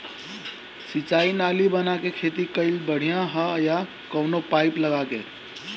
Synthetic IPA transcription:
sit͡ʃainalibənakekʰet̪ikəɪlbəɽ̤ijãɦəja | kəʊnopaɪpləɡakḛ

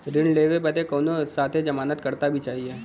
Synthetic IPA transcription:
ɾɪnleːʋebət̪ekɔːnosaːt̪ʰed͡ʒɐmaːnət̪kɐɾt̪abʱit͡ʃaːɦie

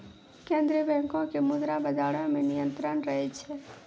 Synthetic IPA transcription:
kẽnd̪ɾiəbɛ̃ŋkõkemud̪ɾabəd͡ʒaɽõmẽnijə̃nt̪ɾənɾəɦɛt͡ʃʰɛ

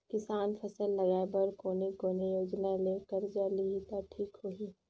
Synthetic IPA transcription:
kɪsaːnpʰəsəlːɐɡaːebəɾkoːnekoːnejoːd͡ʒnaleːkəɾd͡ʒaːliit̪oʈʰiːkɦoiː

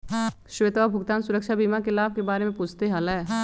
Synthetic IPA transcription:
ʃʊʋet̪ʋabʱʊɡt̪aːnsʊɾəkʃabiːmakelaːb̚ʱkebaːɾemẽpuːt͡ʃʰt̪eɦɐlɦɛː

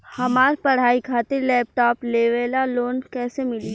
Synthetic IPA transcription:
hɐmaːɾpɐɽ̤aːikʰaːt̪ɪɾlɛːp̚ʈɔːpleːʋeːlaloːnkɛːsemɪli

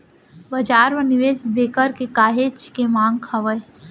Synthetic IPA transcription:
bɐd͡ʒaːɾʋənɪʋeːsbeːkəɾkekaːɦeːt͡ʃkemãːŋɡkʰɐʋəj

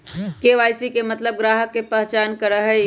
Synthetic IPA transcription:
keʋaːjsikemɐt̪ləb̚ɡɾaːɦəkːepɛɦt͡ʃaːnkəɾəɦɛ

